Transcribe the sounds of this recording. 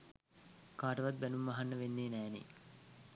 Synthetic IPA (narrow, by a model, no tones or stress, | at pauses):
kaːʈəʋat̪̚bænumːaɦanːəʋenːeːnæːnḛː